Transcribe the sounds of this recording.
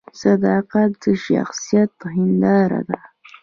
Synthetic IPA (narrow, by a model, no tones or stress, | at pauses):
sad̪ɑːqat̪d̪əʃa̰xsijat̪hɪnd̪ɑːɾa̰d̪a